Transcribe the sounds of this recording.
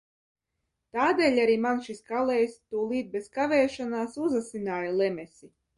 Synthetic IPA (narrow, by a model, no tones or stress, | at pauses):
t̪aːd̪ɛːlʲaɾiːmanʃiskalɛːjst̪uɔlˠiːt̪̚beskavɛːʃanaːsuzasinaːjalˠɛmʲɛsi